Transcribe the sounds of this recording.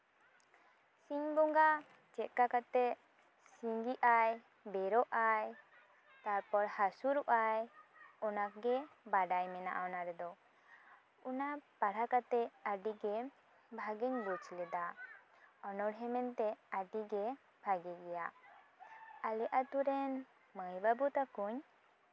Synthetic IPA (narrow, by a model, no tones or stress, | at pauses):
siɲbɔŋɡa | t͡ʃɛʔ̪̚kakat̪ɛ | siŋɡiʔaj | bɛɾɔʔaj | t̪aɾpɔɾhasuɾuʔajɔnakɡɛbaɖajmɛna̰ʔaɔnaɾɛd̪ɔ | unapaɽakat̪ɛaɖiɡɛ | bʱaɡɛɲbut͡ʃlɛd̪a | ɔnɔɽɦɛmɛnt̪ɛaɖiɡɛ | bʱaɡiɡɛja | alɛʔat̪uɾɛn | məjbabut̪akuɲ